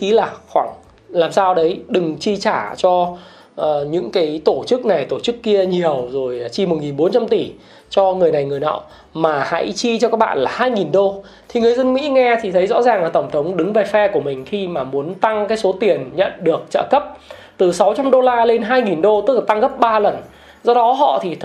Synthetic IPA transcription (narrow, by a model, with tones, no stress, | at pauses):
ki˨˦laː˨˩xwaː˧˩ŋ | laː˨˩msaː˧wɗə˨˦jɗɨ˨˩ŋt͡ɕi˧t͡ɕaː˧˩t͡ɕɔ˧ | ʔəː˨˩ɲɨ̰˧˥ŋkaː˨˦jt̪o˧˩t͡ɕɨ˦˥k̚na˨˩jt̪o˧˩t͡ɕɨ˦˥kːi˧əɲi˨˩əwzo˨˩jt͡ɕi˧m˨˩t̚ŋi˨˩nɓo˨˦nt͡ɕa˧mt̪i˧˩ | t͡ɕɔ˧ŋɨ˨˩əjna˨˩jŋɨ˨˩əjna̰ː˧˨w | maː˨˩ha̰˧˥jt͡ɕi˧t͡ɕɔ˧kaː˦˥k̚ɓa̰ː˧˨nlaː˨˩haː˧jŋi˨˩nɗo˧ | t̪ʰi˨˩ŋɨ˨˩əjzə˧nmḭ˧˥ŋɛ˧t̪ʰi˨˩ə˨˦jzɔ̰˧˥zaː˨˩ŋlaː˨˩t̪ə˧˩ŋ͡mt̪ʰə˨˦wŋ͡mɗɨ˨˦ŋve˨˩fɛ˧ku˧˩əmï˨˩ŋ̟xi˧maː˨˩mu˨˦ənt̪a˧ŋkaː˨˦jso˨˦t̪i˨˩ənɲə̰˧˨nɗɨ˨˩ək̚t͡ɕə̰ː˧˨kə˦˥p̚t̪ɨ˨˩sa˨˦wt͡ɕa˧mɗo˧laː˧le˧nɦaː˧jŋi˨˩nɗo˧t̪ɨ˦˥k̚la˨˩a˧ŋɣə˦˥p̚ɓaː˧lə˨˩n | zɔ˧ɗɔ˨˦ɦɔ̰˧˨t̪ʰi˨˩t̪ʰ